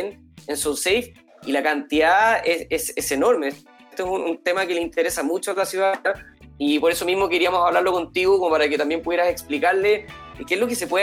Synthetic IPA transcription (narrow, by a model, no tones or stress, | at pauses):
n | ensosejf | ilakant̪iðaesesese̞no̞ɾme | t̪oesununt̪emakeleint̪eɾesamut͡ʃoalasjuðaaipo̞ɾe̞so̞mizmo̞ke̞ɾiamosaβlaɾloko̞nt̪iɣokomopaɾaket̪ambjempuðjeɾaseksplikaɾlekezlokese̞pwe